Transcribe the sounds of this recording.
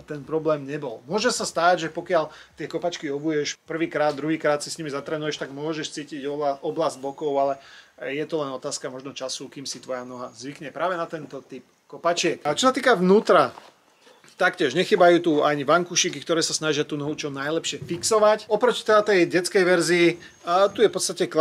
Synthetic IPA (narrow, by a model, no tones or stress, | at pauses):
t̪ɛnpɾɔblɛːmɲɛbɔlmʊɔʒɛmsast̪aːɟʒɛpɔkɪalt̪ɪɛkɔpat͡ʃkiɔbujɛʃpr̩ʋiːkɾaːd̪ːɾuɦiːkɾaːt̪sisɲimizat̪ɾɛːnujɛʃt̪aɡmʊɔʒɛʃt͡siːciɟɔɔblazɟ̚bɔkɔʊalɛjɛt̪ɔlɛnɔt̪aːskamɔʒnɔt͡ʃasukiːmsit̪ʋɔjanɔɦazʋikɲɛpɾaːʋɛnat̪ɛnt̪ɔt̪ip | kɔpat͡ʃɪɛkt͡ʃɔsat̪iːkaʋnuːt̪ɾa | t̪akcɪɛʒɲɛxiːbajuːt̪uaɲiʋaŋkuʃiːkikt̪ɔɾɛːsasnaʒɪat̪uːnɔɦut͡ʃɔnajlɛpʃɪɛfiksɔʋacɔpɾɔcit̪ɛd̪at̪ɛjɟɛt͡skɛjʋɛɾzii | t̪ujɛfpɔt̪st̪acɛk